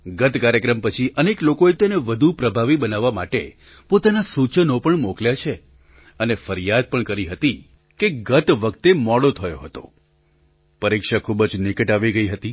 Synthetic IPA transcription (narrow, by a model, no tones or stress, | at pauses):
ɡət̪kaɾjəkɾəmpət͡ʃʰiʔəneklokoet̪eneʋəd̪ʱupɾəbʱaʋibənaʋːama̰ʈe | pot̪anasut͡ʃənopəɳmokljat͡ʃʰe | ənefəɾjad̪̚pəɳkəɾiɦət̪i | keɡət̪ʋək̚t̪emɔɽot̪ʰəjoɦət̪o̰ | pəɾikʃakʰubəd͡ʒnɪkəʈaʋiɡəiɦət̪i